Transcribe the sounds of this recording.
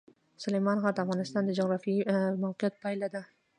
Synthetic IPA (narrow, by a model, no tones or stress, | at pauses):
sʊlejmɑnʁɑɾd̪afʁɑnɪst̪ɑnd̪ad͡ʒoʁɾɑfijmawqʰɪjat̪̚pʰajlad̪ɪ